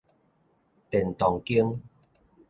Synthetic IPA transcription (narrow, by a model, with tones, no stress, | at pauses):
t̪ɛ˨˩nt̪ɔ˨˩ŋki˦əŋ